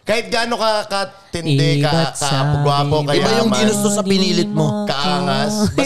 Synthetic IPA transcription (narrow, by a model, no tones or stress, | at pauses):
kaːhɪt̪̚ɡaːnokɐkɐ | t̪ɪnɛabkapɡʊapokɐɪbajʊŋɡ̪inʊst̪osɐpɪniːlɪt̪̚mo̞kɐʔaːŋas